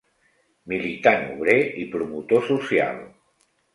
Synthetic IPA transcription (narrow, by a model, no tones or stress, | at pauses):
milit̪anṵβɾeipɾumut̪osusja̰lˠ